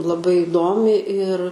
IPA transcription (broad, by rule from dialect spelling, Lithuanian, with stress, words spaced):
lˠɐˈbɐɪ ɪˈdoːmʲɪ ɪr